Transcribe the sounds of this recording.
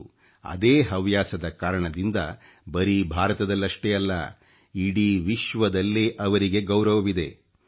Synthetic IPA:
ɐ̰d̪eːɦɐʋjaːsɐd̪ɐkaːɾɐɳɐd̪ind̪ɐ̰ | bɐɾibʱaːɾɐt̪ɐd̪ɐlːɐʂʈeɐlːɐ̰ | iɽiʋiʃʋɐd̪ɐlːeʔɐʋɐɾiɡe̞ɡɐwɾɐʋɐʋid̪e̞

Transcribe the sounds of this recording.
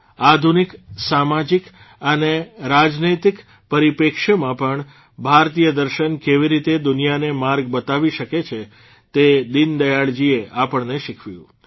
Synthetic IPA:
ad̪ʱuniksamad͡ʒik | əneɾad͡ʒnit̪ik | pəɾipekʃəmãpəɳ | bʱaɾt̪ijəd̪əɾʃənkeʋiɾit̪ed̪ʊnijanemaɾɡbət̪aʋiʃəket͡ʃʰe | t̪ed̪ind̪əjaɭd͡ʒieʔapəɳneʃɪkʰʋjṵ̃

